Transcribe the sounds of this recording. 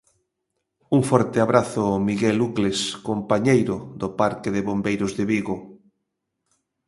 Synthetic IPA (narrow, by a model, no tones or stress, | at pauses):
uŋfɔɾt̪ɪaβɾaθʊmiɣɛlukleskompaɲejɾʊðopaɾkɪðɪβombejɾʊzðɪβiɣo